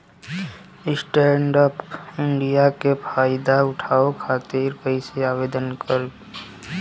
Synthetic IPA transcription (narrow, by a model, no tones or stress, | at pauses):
ɪsʈɛ̃ːɳɖəpɪ̃ɳɖijakepʰaːɪd̪aʊʈʰaːokʰaːt̪iːɾpəɪseaːʋeːd̪ənkəɾ